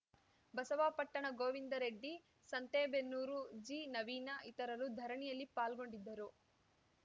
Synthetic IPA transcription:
bɐsɐʋaːpɐʈːɐɳɐɡoːʋind̪ɐɾeɖːi | sɐnt̪eːbenːuːɾud͡ʒiːnɐʋiːnaʔit̪ɐɾɐɾud̪ʱɐɾɐɳijɐlːipaːlɡo̞ɳɖid̪ːɐɾu

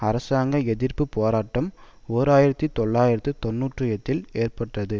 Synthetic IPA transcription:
ɐɾɐsaːŋɡɐɛðɪrpɯpoːɾaːʈːɐmoːɾaːjɪɾɐt̪ːit̪ɔɭːaːjɪɾɐt̪ːɯt̪ɔnːuːʈrɯjɛt̪ːɪleːrpɐʈrɐðɯ

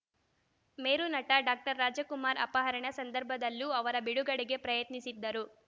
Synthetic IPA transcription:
meːɾunɐʈɐɖaːk̚ʈɐɾːaːd͡ʒɐkumaːɾɐ̰pɐɦɐɾɐɳɐsɐnd̪ɐɾbʱɐd̪ɐlːuɐʋɐɾɐbiɽuɡɐɽiɡe̞pɾɐjɐt̪nisid̪ːɐɾu

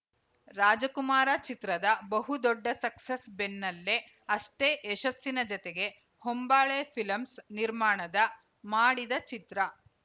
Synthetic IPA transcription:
ɾaːd͡ʒɐkumaːɾat͡ʃit̪ɾɐd̪ɐbɐɦud̪ɔɖːɐsɐksɐsbenːɐlːe | ɐʂʈeːʔːʃɐsːinɐd͡ʒɔt̪eɡe̞ | hombaːɭeːpʰilɐmsniɾmaːɳɐd̪ɐ | maːɽid̪ɐt͡ʃit̪ɾɐ

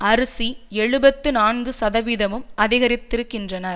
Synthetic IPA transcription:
ɐɾɯsiɛɻɯbɐt̪ːɯnaːnɡɯsɐðɐʋɪðɐmɯmɐðɪɣɐɾɪt̪ːɪɾɯkːɪndrɐnɐɾ

